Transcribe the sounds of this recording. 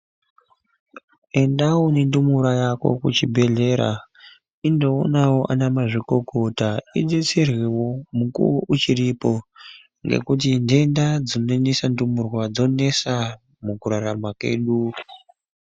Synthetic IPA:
e̞ndawonendumuɾajako̞̰kut͡ʃibʱe̞ɮe̞ɾa̰ | indo̞ːnawo̞ʔanamaʐiko̞ko̞taiɗet͡serwewomukuwoʔut͡ʃiɾipo̞ | ŋɡe̞̰kut̬inde̞ndad͡zonenisandumurwad͡zo̞ne̞sa | mukuɾaɾamakwe̞̰ːɗu

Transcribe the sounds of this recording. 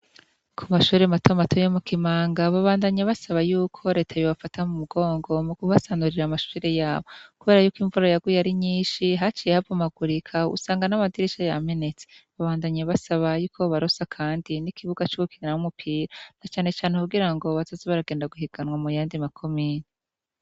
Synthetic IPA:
kʰumaʃuːɾematʰo̞matʰojomukimaːŋɡaβaβaːndaɲeβasaβajuːkʰo̞ɾe̞ːtʰajoβafatʰamumuɡo̞ːŋɡo̞mukuβasaːnuɾiɾamaʃuːɾe̞jaːβo̞kuβe̞ːɾajuːkwiɱvuɾajaɡwujaɾiɲiːnʃiɦat͡ʃiːjehavumaɡuɾikʰaṵsaːŋɡanamadiɾit͡ʃajame̞ne̞t͡se̥βaβaːndaɲeβasaβajuːkʰo̞βaɾosakʰaːndinikʰiβuɡat͡ʃuwukiɾinahumupʰiːɾanat͡ʃaːne̞t͡ʃaːnekuɡiɾaŋɡo̞βazazeβaɾaɡeːndaɡuhiɡ̥anwamujaːndimakʰo̞miːni

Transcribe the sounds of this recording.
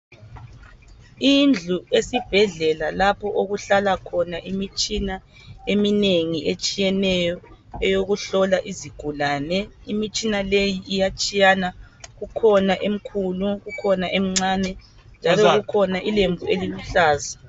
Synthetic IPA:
ind͡ɮʱuesib̥ʱɛɮɛlalapʰɔʔoɣuɬalakʰɔnaʔimit͡ʃʼina | emineŋiʔet͡ʃʼijɛnɛjɔɛjoɣuɬɔlaʔiziɡ̥ʱulaːnɛimit͡ʃʼinalejiʔijat͡ʃʼijana | ɣukʰɔnaʔem̩kʰuluɣukʰɔnaʔem̩ŋ͡ǀaːnɛ | nd͡ʒʱalɔɣukʰɔnaʔilembʱueliluɬaːza

